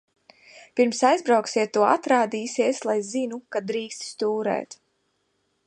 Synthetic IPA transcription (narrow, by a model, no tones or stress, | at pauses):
piɾmsajzbɾawksiɛt̪ːuɔat̪ɾaːd̪iːsiɛslˠajzinukad̪ɾiːkst̪st̪uːɾɛ̰ːt̪